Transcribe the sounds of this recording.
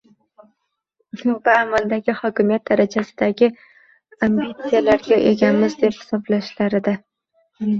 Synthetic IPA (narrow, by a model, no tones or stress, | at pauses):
nʊbaːmald̪aɡʲɪhɒkʲɪmijat̪̚d̪aɾat͡ʃʰasɪd̪aɡʲɪ | ambit̪sijalaɾɡʲaʔe̞ɡʲanmɪzd̪e̞phɪ̥sɒblaʃlaɾɪd̪a